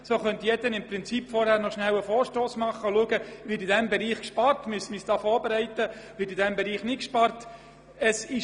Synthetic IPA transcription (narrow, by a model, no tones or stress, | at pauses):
soχœnt̪jɛdənɪmprɪnt͡sipfɔɾhæːɾnɔʃnæwəfɔːɾʃtoːsmɑχəluəɡəʋɪɾidɛmbɛɾiːχkʃpɑɾtmysmisd̥ɑːfɔːɾbeɾɛɪtəʋɪːɾidɛmbɛɾiːχnɪkʃpɑɾt | ɛsɪ